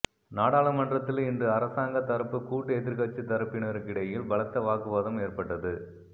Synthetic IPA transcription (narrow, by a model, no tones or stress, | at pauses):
naːɽaːɭɐmɐndrɐt̪ːɪlɪndrɯɐɾɐsaːŋɡɐt̪ɐɾɐpːɯkuːʈːɯɛðɪɾkɐt͡ʃːɯt̪ːɐɾɐpːɪnɐɾɯkɪɽɐjɪlbɐɭɐt̪ːɐʋaːkɯʋɐðɐmeːrpɐʈːɐðɯ